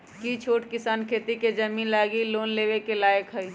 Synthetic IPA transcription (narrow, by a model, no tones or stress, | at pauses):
kit͡ʃʰoːʈkɪsaːnkʰeːt̪iked͡ʒəmiːnlaːɡiloːnleːʋekelaːjəkɦəi